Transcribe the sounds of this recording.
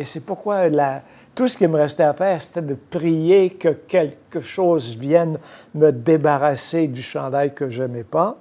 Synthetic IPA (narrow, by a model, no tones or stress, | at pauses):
esepuʁkwala | t̪usə̥kʲiməʁɛst̪ɛafɛːʁse̥t̪ɛd̪əpʁijekəkʲɛlkəʃoːzvjɛnməd̪ebaʁased̪yʃɑ̃d̪ajkəʒɛmɛpa